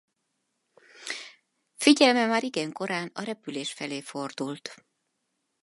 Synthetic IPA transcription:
fiɟɛlmɛmaːɾiɡɛŋko̞ɾaːnɒɾɛpyleːʃfɛleːfo̞rd̪ult̪

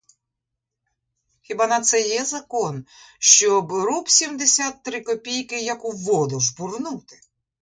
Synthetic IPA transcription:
xʲibɑnɐt̪sɛjɛzɐkɔnʃt͡ʃɔbɾɔpsʲimd̪esʲat̪ːɾɪkɔpʲijkɪjɐkʊʋɔd̪ʊʒbʊrnut̪ɪ̥

